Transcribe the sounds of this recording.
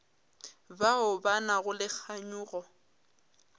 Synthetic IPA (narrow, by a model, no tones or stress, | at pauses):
baʊbanaɣʊlɪk͡xʰaɲuːɣɔ